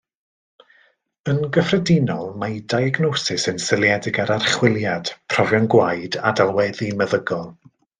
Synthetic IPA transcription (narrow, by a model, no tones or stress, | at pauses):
ənɡəfrɛdɪnɔlˠmadajaɡnosɪsənsɪlˠjɛdɪɡaɾarχwɪlˠjad̥pʰrɔvjɔnɡwajdadalˠwɛðiməðəɡɔlˠ